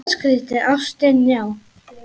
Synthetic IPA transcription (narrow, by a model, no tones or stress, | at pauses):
skɾɪːt̪ɪʔawst̪ɛnjaw